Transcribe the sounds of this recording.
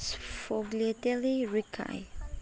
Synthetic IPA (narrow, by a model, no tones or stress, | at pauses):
sfɔɡliatɛliɹikʰa̰j